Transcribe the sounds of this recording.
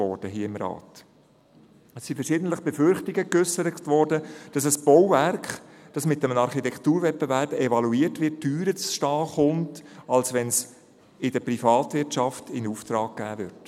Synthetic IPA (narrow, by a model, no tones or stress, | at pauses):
ɔɾd̥əɦiːəɪmɾɑ̰ːt | əsːifɛɾʃɪːdəntləχb̥ɛfʏɾχtɪɡəkʏsəɾətʋɔːɾdəd̥ɑsəsb̥ɔwvæɾk | d̥ɑsmɪt̚ːɛmənɑɾχitɛktuːɾvɛtbevæɾb̥ɛvɑluiːətʋɪtːyːɾət͡sʃtɑːχʊntɑlsʋɛns | ɪdəpɾifɑːtʋɪtt͡ʃɑftɪnuːft̪ɾɑːɡ̥̚ɡ̥æːvʏɾt